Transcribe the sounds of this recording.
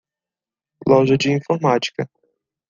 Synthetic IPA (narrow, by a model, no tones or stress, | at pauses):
lɔʒɐd͡ʒɪĩfoɾmat͡ʃi̥kɐ